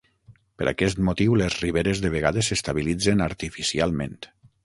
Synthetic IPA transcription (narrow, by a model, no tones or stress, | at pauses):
pəɾʔa̰kɛst̪mot̪iwlezriβeɾezðeβ̞eɣaðesest̪aβilid͡zenaɾt̪ifisialˠmḛ̃nt̪